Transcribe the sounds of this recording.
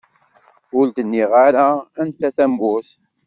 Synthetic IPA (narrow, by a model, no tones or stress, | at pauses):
ʊld̪ənːiʁaɾaænt̪æθæmɡʊs